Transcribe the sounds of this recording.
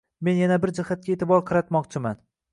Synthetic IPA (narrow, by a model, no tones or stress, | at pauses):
me̞njanabɪɾd͡ʒɪhat̪̚kʲaet̪ʰɪbɒɾqʰɨɾat̪mɒqt͡ʃʰɪman